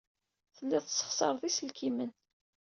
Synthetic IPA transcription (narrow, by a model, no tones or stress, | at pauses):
θəlːæðsə̥χsˤɑ̰ɾˤðisəlkʰimən